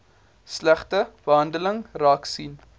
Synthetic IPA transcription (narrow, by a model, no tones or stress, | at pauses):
slæχtəb̥əɦɐndələŋrɑːksin